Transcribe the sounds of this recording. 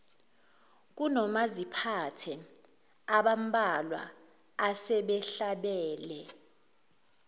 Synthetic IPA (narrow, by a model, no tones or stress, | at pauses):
k̬unɔmazipʰatʰɛ | aɓam̩bʼalwa̰ː | sɛɓɛɬaɓɛːlɛ